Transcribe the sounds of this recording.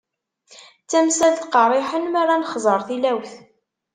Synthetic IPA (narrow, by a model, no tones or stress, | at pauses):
t͡sːæmsælt̪qɑrˤɪħənmaɾanχzˤəɾˤθilæwθ